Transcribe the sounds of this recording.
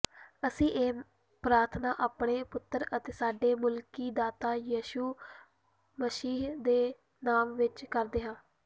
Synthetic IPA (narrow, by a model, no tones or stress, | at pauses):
əsĩːʔeː | pɾaːɾt̪ʰnaːʔaːpɳeːpʊt̪ːəɾət̪eːsaːɖeːmʊlkiːd̪aːt̪aːjiːʃuː | məsiːɦd̪eː | naːmʋɪt͡ʃkəɾd̪eːɦãː